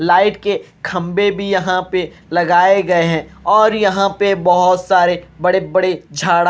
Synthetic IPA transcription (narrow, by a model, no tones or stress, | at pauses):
laːɪʈke | kʰɐ̃mbebʱijɐɦãpe | lɐɡaːeɡɐeɦɛ̃ɔːɾjɐɦãpebɐɦʊt̪saːɾebɐɽebɐɽed͡ʒʱaːɽ